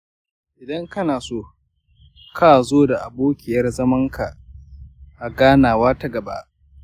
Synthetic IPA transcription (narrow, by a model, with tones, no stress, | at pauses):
ʔɪ˨dɐ˦ŋkɐ˦naː˨soː˦ | kʰaː˦zoː˦da˨ʔa˨boː˦kʲɪ˨jɐ˦rzɐ˦mɐ˦ŋka˨ | ʔa˨ɡaː˦naː˨waː˦tɐ˦ɡɐ˨ba̰˦ʔ